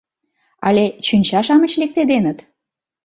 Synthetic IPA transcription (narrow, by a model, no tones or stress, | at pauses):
ɑ̰let͡ɕynʲt͡ɕɑʃɑmət͡ɕlek̚t̪ed̪enət̪